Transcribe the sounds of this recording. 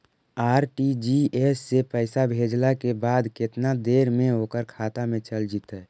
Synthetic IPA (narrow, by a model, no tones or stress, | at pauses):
aːɾʈid͡ʒiesːepəɪsabʱed͡ʒlakebaːd̪kɪt̪nad̪eːɾmẽɦoːkəɾkʰaːt̪amẽt͡ʃəld͡ʒit̪ɦɛː